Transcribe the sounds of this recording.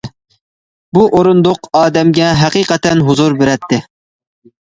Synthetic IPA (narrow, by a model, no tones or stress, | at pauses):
buʔoɾʊnd̪oqɑːd̪ɛmɡʲɛɦæqiqɛt̪ɛnɦʊzuɾbeɾɛt̪ʰːɪ